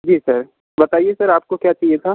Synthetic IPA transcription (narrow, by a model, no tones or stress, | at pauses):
d͡ʒiːsɐɾ | bɐt̪aːiesɐɾaːp̚kokjaːt͡ʃaːɦijet̪ʰaː